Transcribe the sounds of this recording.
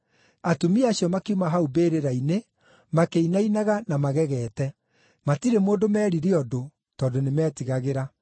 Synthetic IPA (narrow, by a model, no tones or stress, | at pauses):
atumiaɕjɔmakeumaɦaubeːɾeɾaine | makeinainaɣanamaɣɛɣɛːtɛ | matiɾemoːndomɛːɾiɾeɔdo | tɔːndonemɛːtiɣaɣeɾa